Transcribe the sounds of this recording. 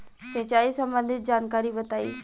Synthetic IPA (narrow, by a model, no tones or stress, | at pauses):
seːt͡ʃaːisɐ̃mbə̃nd̪ʱɪt̪̚d͡ʒaːnkaːɾibɐt̪aːḭː